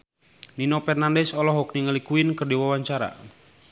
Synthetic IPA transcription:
ninopɛrnandɛsɔlɔɦɔk̚niŋəlikuinkərdiwawaɲt͡ʃaɾa̰

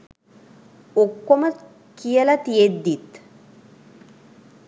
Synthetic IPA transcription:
okːomɐ | kijɐlɐt̪ijed̪ːit̪ː

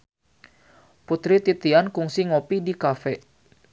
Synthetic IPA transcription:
put̪ɾit̪it̪iankuŋsiŋopidikafɛ

